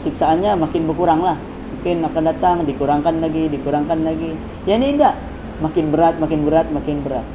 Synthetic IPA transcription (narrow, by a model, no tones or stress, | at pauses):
siksaːnɲamakɪnbərkuɾaŋlah | mukɪnakandat̪aŋdikuɾaŋkanlaɡidikuɾaŋkanlaɡi | janiːndaʔ | makɪnbəɾat̪̚makɪnbəɾat̪̚makɪnbəɾat̪̚